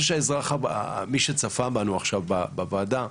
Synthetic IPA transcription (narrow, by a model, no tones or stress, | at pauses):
ʃ̬eaezʁaχabmiʃet͡safabanuaχʃavbabavaːda